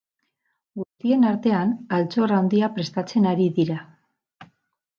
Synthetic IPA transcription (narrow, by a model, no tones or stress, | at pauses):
ɡust̪ie̞naɾt̪e̞analt͡so̞rawnd̪iapɾe̞st̪at͡se̞naɾiðiɾa